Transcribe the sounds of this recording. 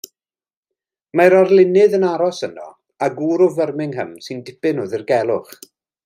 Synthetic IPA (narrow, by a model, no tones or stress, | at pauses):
maɾarlˠɪnɪðənaɾɔsənɔ̰ | aɡuːɾɔvərmɪŋɦə̰msɨndɪpɨnʊðɪrɡɛlˠʊχ